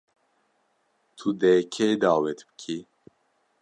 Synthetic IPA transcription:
t̪ʰud̪ɛkʰed̪aːwɛt̪bɨ̥kʰi

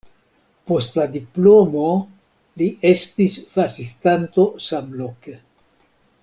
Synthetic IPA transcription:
po̞stladiplo̞mo̞ | liʔe̞stisfasistanto̞samlo̞ke

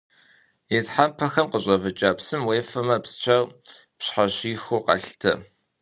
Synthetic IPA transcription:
jetħampʰɐxɐmqəʑʷʼɐvɨt͡ʃʼaːpsɨmweːfɐmɐpst͡ʃʰɐr | pɕħaɕiːxuqɑ̰ɬtʰɐ

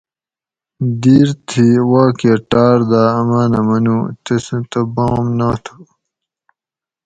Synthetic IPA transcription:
d̪iːɾt̪ʰiwaːkeʈaːɾd̪aːɐmaːnɐmɐnuːt̪esẽt̪ɐbaːmnaːt̪ʰu̥

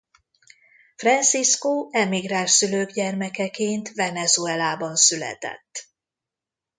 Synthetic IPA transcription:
frɛnt̪siskoːɛmiɡraːʃsyløːɡɟɛrmɛkɛkeːnt̪vɛnɛzuɛlaːbɒnsylɛ̰t̪ɛ̰t̪ː

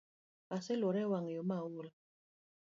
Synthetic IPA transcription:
kasɪloɾɛwaŋjɔmawul

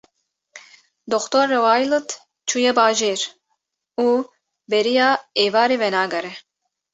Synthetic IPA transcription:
d̪oxt̪oɾːewaːjlɨt̪ | t͡ʃʰujɛbaːʒeːɾ | uː | bɛɾijaːeːvaːɾivɛnaːɡɐɾɛ

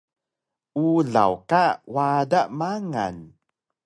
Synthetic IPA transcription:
ʔuɮa̰wkawadaʔmaŋa̰n

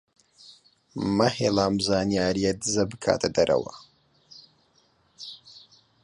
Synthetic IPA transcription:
mɐheːlaːmzaːnjaːɾijɐd̪ɨzɐbɨkʰa̰ːt̪ʰɐd̪ɐɾʔɐ̰wɐ̰

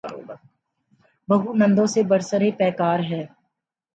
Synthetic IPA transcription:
bɐɦunɐ̃nd̪õsebɐɾsəɾepɛːkaːɾɦɛː

